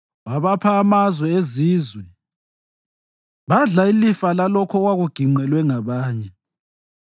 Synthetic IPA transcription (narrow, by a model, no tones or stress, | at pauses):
waβapʰaːmazwɛeziːzwɛ | βaɮailifalalɔkʰɔɣwaɣuɡ̥ʱiŋ͡ǃɛlwɛŋaβaːɲɛ